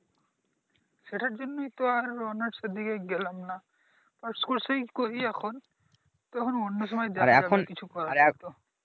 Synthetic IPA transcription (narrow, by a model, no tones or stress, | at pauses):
ʃeʈʰaɾd͡ʑonːojt̪oaɾɾɔnaɖsed̪ʱikaɡɛlamna | paɾskoɾsejkoɦiɛkʰon | t̪ɔkʰononːoʃɔmɔjd̪ɛa̰ɾeɛ̰kakonkit͡ɕʰukɔɾaaɾt̪o